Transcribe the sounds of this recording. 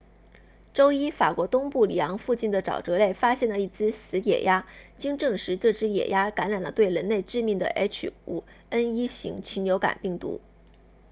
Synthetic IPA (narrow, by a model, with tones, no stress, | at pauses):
ʈ͡ʂo˥ʊi˥fa˨˩kwɔ˧˥t̪ʊ˥ŋpu˥˩lḭ˨˩jɑ˧˥ŋfu˥˧t͡ɕi˥˩nd̪ə˩ʈ͡ʂɑ̰˨˩ʊʈ͡ʂɤ˧˥le˥˩ɪfa˥ɕjɛ˥˩nlə˩i˥˩t͡sɹ̩˥sɹ̩˧˥jɛ̰˨˩ja˥t͡ɕi˥ŋʈ͡ʂɤ˥˩ŋʂɻ̩˧˥t͡sɤ˥˩ʈ͡ʂɻ̩˥jɛ̰˨˩ja˥ka˧˥nɻa˨˩nlə˦t̪we˥˩ɪɻə˧˥nle˥˧ɪʈ͡ʂɻ̩˥˧mi˥˩ŋd̪ə̰˩ʔɛ˥t͡ɕʰṵ˨˩ | ə˥ni˥ɕḭ˧˥ŋt͡ɕʰi˧˥nljo˧˥ʊka̰˨˩npi˥˩ŋt̪ṵ˧˥